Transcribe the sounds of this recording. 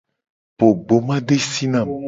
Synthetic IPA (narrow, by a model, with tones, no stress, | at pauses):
po˨ɡ͡bo˨mã˦ɖe˦si˦nã˨